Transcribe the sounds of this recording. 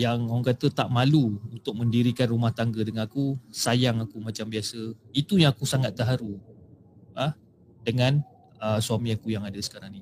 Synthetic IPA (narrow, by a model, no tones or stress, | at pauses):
jaŋaaŋkat̪ət̪aʔmaluunt̪ʊk̚mə̃ndiɾikanrumaht̪aŋɡədəŋanakusajaŋakumat͡ʃambiasəit̪ujaŋakusaŋat̪̚ːəɦaɾu | ə | dəŋãn | əsuamĩakujaŋadəsə̥kaɾaŋni